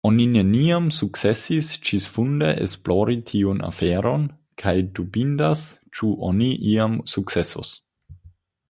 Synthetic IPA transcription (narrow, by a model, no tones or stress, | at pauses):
o̞nine̞niamsuk̚t͡sesist͡ʃisfundḛʔesploɾitʰiunʔa̰feɾo̞n | kʰajdubindast͡ʃuʔo̰niʔiamsuk̚t͡seso̰s